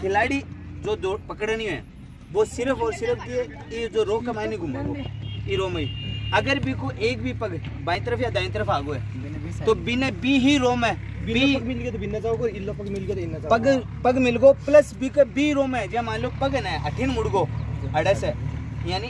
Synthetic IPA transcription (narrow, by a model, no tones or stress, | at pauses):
kʰɪlaːɽiːd͡ʒoːd̪oːpɐkɽəniõɛ̰ː | ʋoːsɪɾəpʰɔːɾsɪɾəpʰd̪ie | id͡ʒoːɾoːkɐmaːnĩɡʱʊmaɡoiɾoːməiɐɡəɾbikoʔeːk̚bʱiːpɐɡ | baːĩt̪əɾəpjad̪aːj̃t̪əɾəpʰaːɡoːɛː | t̪oːbinebiːɦiɾoːmɛː | bɪipɐɡmɪlɡeːt̪obɪnːad͡ʒaːɡoɪlːopɐɡmɪlɡeːt̪ɪnːapɐɡ | pɐɡmɪlɡoːplɐsbikəbiːɾoːmɛ̃d͡ʒãmaːloːkpɐɡnaʔɐʈʰinmʊɽɡoːɐɽəsɛjaːni